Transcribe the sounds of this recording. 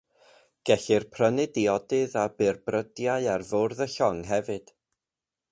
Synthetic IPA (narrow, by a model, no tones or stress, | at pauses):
ɡ̥ɛɬɪrpʰrənɪdiɔdɨðabɪrbrədjaɨarvorðəɬɔŋɦɛvɨd̥